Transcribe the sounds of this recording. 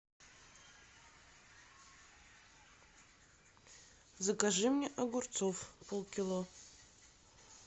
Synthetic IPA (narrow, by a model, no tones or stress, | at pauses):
zakaʐɨmnʲeʔaɡʷʊrt͡sʰofpʰulˠkʲʰilˠo